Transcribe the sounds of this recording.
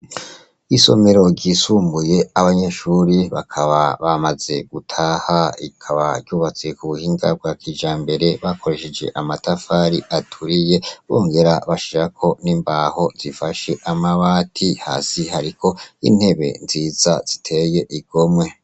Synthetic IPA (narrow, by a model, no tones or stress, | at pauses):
iso̞̰meɾo̞ɾɟiːsuːmbuje̞aβaɲe̞ʃuɾiβa̰kʰaβaβamaze̞ɡ̥utʰaːhaḭkʰaβa̰ɾɟuːβat͡se̞kuβuhiːŋɡab̚ɡwaːkiːd͡ʒaːmbe̞ɾe̞βakʰo̞ɾe̞ʃed͡ʒe̞̰ʔamatafaːɾiʔatʰuɾije̞βo̰ːŋɡe̞ɾaβaʃiɾakʰo̞niːmbaːho̞z̥ifaʃe̞ʔamaβaːtʰiha̰ːsihaɾikʰo̞ḭn̥he̞βe̞̰nziːza̰z̥itʰe̞je̞ʔiɡ̥o̞mwe̞